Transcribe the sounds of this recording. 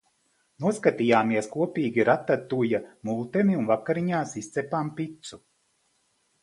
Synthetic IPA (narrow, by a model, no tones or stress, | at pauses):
nuɔskat̪iːjaːmiɛskuɔpiːɡʲiɾat̪ːat̪ujamulˠt̪ɛmiunvakːaɾiɲaːsist̪sɛpaːmpit̪su